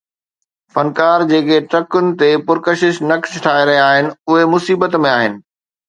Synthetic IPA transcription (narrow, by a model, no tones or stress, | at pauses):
fɐnkaːɾd͡ʑeːkeʈɾɐkʊnɪ̆t̪epʊɾkəʃɪʃnɐksʈʰaːeɾɐɦiaːɦɪnɪ̆ʊɦemʊsiːbət̪mẽaːɦɪnɪ̆